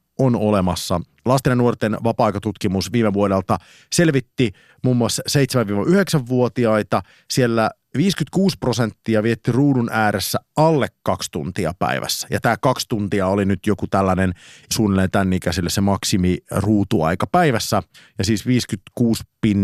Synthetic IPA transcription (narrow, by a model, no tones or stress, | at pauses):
onolemɑsːɑ̰ | lɑst̪enɑnuort̪enʋɑpɑɑjkɑt̪ut̪kimusʋiːmeʋuodelt̪ɑ | selʋit̪ːi | muːmːuɑsːɑseit̪semæʋiːʋɑʔyheksæʋʋuot̪iɑit̪ɑ | sielːæ | ʋiːskyt̪kuːsprosent̪ːiɑʋiet̪ːiruːnunʔæːɾʔesːæʔɑlːekːɑkst̪unt̪iɑ̰pæ̰iʋæ̰sːæ̥jɑ̰t̪æːkɑkst̪unt̪iɑolinyt̪jokut̪ælːænensuːnelent̪ænːikæsilːesemɑksimiruːt̪uɑ̰ikɑpæiʋæsːæjɑsiːsʋiːskyt̪kuːspin